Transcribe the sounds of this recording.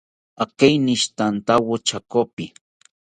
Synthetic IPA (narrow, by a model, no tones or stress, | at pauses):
akejniʃt̪ant̪awot͡ʃakopɪ